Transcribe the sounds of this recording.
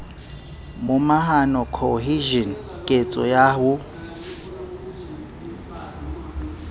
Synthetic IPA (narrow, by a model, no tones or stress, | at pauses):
mʊmaɦanɔkʰɔɦiʒɔn | kʼet͡sʼɔ̰jahʊ